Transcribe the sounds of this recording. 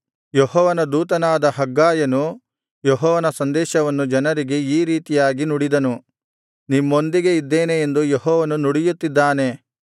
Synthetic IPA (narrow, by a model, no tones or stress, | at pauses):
jɔhɔːʋɐnɐd̪uːt̪ɐnaːd̪ɐɦɐɡːaːjɐnu | jɔɦɔːʋɐnɐsɐnd̪ɛːʃɐʋɐnːud͡ʒɐnɐɾiɡe̞iːɾiːt̪ijaːɡinuɽid̪ɐnu | nimːo̞nd̪iɡe̞id̪ːe̞ːne̞ːnd̪ujɔɦɔːʋɐnunuɽijut̪ːid̪ːaːne̞